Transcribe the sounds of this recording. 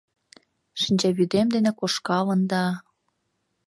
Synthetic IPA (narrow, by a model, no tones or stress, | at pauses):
ʃinʲd͡ʑæβyd̪emd̪enĕkoʃkɑlɤ̆nd̪ɑ